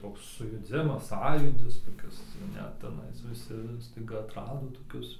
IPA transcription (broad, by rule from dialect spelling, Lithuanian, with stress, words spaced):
ˈtoːks sʊjʊˈd͡zʲɪmɐs ˈsɑːjuːdʲɪs toːˈkʲɪs ˈnʲɛt tʲɛˈnɐɪs ʋʲɪˈsʲɪ stɐɪˈɡɐ ɐtˈrɑːdoː toːˈkʲʊs